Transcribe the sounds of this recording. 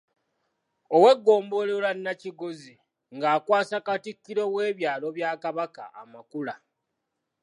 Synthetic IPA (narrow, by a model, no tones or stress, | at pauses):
owe̞ɡːo̞ːmbo̞lelanːaciɡozi | ŋɡaːkwaːsakatikːiɾo̞we̞ːβjaːlo̞βjaːkaβaka̰a̰makula